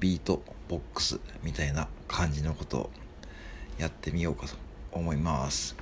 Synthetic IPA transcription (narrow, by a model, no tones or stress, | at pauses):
bʲiːt̪o̞b̥o̞kːɯ̥sɨmʲit̪ainakʰãɲ̟d͡ʑino̞ko̞t̪o̞̰ | jat̪ːe̞mʲijo̞ːkat̪o̥ːmo̞imasɨ̥